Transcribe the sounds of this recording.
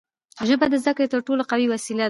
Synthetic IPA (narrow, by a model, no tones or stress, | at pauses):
ʒəbad̪əzd̪akɽet̪əɾʈoloqawiwasila